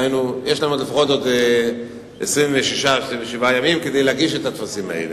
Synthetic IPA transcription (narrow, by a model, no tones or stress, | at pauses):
ajnujeʃlanutafʁod̪od̪e | esʁiɱveʃiʃaesʁiɱveʃivajamimked̪ejleaɡiʃet̪at̪fasimaḛle